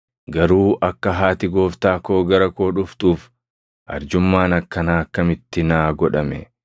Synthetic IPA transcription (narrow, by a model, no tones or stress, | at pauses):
ɡɐɾuːʔɐkːɐɦaːt̪ɪɡo̞ːft̪aːko̞ːɡɐɾɐko̞ːᶑʊft̪uːf | ʔɐ̰ɾd͡ʒʊmːaːnɐkːɐnaːɐkːɐmɪt̪ːɪnaːɡɔᶑɐmɛ̰